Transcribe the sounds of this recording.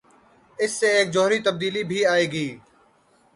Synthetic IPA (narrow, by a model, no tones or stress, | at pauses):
ɪsːeːeːk̚d͡ʒoːɦɾiːt̪əb̚d̪iːliːbʱiːaːeːɡiː